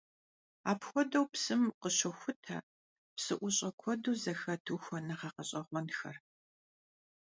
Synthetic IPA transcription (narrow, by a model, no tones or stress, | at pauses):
aːpxʷɔdɐwpsɨmqəɕɔxʷʊtʰɐ̰ | psɨʔʷʊɕʼɐkʷʰɔduːzɐxɐtʰuxʷɔnɐχɐqɐɕʼɐʁʷɔnxɐ̰r